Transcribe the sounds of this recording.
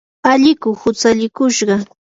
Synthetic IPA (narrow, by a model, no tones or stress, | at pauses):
aʎɪkʊhʊt͡saʎɪkʊʃɢɑ